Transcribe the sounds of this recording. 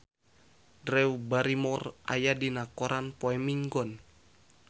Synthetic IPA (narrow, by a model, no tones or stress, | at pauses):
dɾɛubaɾimɔrʔa̰jadinakɔɾʔanpoɛmiŋɡɔn